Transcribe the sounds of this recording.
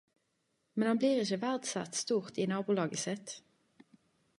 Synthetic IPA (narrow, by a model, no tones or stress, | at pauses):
mɛnhɑnbliːʁɪçəʋæʁd̪sæ̰t̪st̪uːʁt̪iːnɑːbuːlɑːɡəsɪt̪